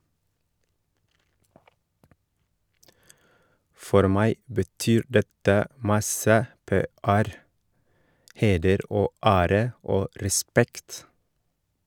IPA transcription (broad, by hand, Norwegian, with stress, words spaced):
ˈfɔɾ ˈmæɪ bəˈtyːɾ ˈdɛtə ˈmɑsə ˈpeːæɾ ˈheːdəɾ ˈʔoː ˈæːɾə ˈoː ɾɛˈspɛkt